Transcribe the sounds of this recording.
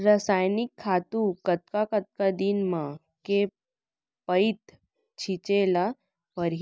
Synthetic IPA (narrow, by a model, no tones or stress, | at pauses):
ɾəsajnikʰːat̪ukət̪̚kakət̪̚kad̪inmã | ke | pəit̪ | t͡ɕʰit͡ɕela | pəɾɦ